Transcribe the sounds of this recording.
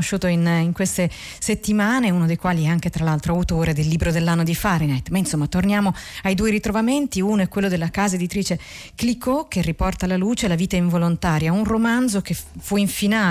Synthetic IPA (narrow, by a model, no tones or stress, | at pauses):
oʃːuːt̪oiniŋkwest̪e | set̪ːimaːneunod̪ejkwaːliɛaŋk̟et̪ɾalalt̪ɾoawt̪oːɾed̪elːiːbɾod̪elːanːod̪ifaɾinɛt̪ːmainsomːat̪ornjaːmoajd̪ueɾit̪ɾovament̪iunoɛkːwelːod̪elːakaːzaed̪it̪ɾiːt͡ʃe | klikokːerːipɔrt̪aːlaluːt͡ʃelaviːt̪aiɱvolont̪aːɾjaunromand̪zokefuiɱfinaː